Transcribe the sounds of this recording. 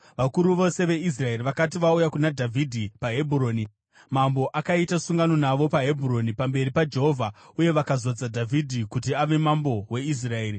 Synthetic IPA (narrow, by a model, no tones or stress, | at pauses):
ʋakuɾuʋo̞se̞ʋe̞is̬rae̞riʋakatiʋaujakunadʱavʱidʱipaɦe̞bʱuro̞ːni | mambo̞ʔakaitasuŋɡano̞naʋo̞paɦebʱuro̞nipambe̞ɾipad͡ʒe̞ɦo̞vʱauje̞ʋakazod͡zadʱavʱidʱikutiaʋe̞mambo̞we̞is̬rae̞ːɾi